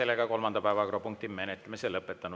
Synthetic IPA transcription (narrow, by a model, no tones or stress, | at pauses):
e̞lːeɡ̥ɑko̞lmɑnd̪̥ɑpæevɑkropuŋk̚t̪imenet̪ːˑlemiselɤpˑːet̪ˑːɑnu